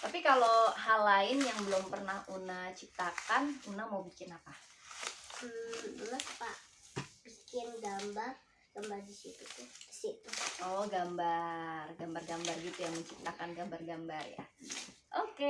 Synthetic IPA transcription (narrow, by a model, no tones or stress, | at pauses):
t̪apikaloɦalaɪnjaŋbəlʊmpərnahunaht͡ʃip̚t̪akanunahmaubikɪnapa | unapaʔ | bikɪnɡambar | ɡ̥ambardisit̪ut̪ʊdi̥sit̪uoɡambarɡambarɡambarɡit̪ujaŋməɲt͡ʃip̚t̪akanɡambarɡambarja̰ | ʔoke